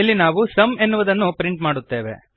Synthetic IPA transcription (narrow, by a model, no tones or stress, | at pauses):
lːinaːʋusɐme̞nːuʋɐd̪ɐnːupɾiɳʈmaːɽut̪ːe̞ːʋe̞̰